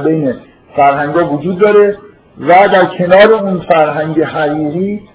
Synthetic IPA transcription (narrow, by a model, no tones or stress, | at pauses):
bejne | fæɾɦæŋɡɒːvod͡ʒuːd̪ːɒːɾe̞ | væd̪æɾcʰe̞nɒːɾe̞uːnfæɾɦæŋɟeɦæʁiːɣiː